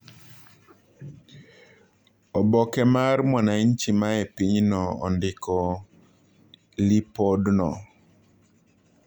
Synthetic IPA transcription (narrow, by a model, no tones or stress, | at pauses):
ɔbɔkɛmarmwanaint͡ʃimaepiɲnɔɔ̰ndɪkɔ | lipɔdnɔ